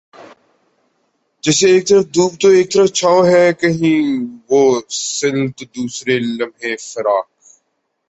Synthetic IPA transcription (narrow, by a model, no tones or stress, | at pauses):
d͡ʒɛːseːk̚t̪əɾəfd̪uːb̚t̪oeːk̚t̪əɾəft͡ʃʰaːõɦɛːkəɦĩːʋoːsɪ̃nt̪d̪uːsɾeləmʱɦẽːfəɾaːk